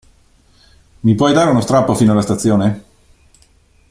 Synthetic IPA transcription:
mipwɔjd̪aːɾeunost̪ɾapːofiːnoalast̪at̪sːjoːne

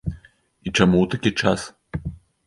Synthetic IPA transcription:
it͡ʂamuwt̪akʲit͡ʂas

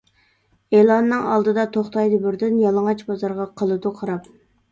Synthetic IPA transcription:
elˠɑnːɨŋɑlˠd̪ɨd̪ɑt̪ʰoχt̪ɑjd̪ɨbɪɾd̪ɪnjɑlˠəŋɑt͡ʃbɑzɑɾʁɑqʰəlˠɨd̪uqʰɑɾɑp̚

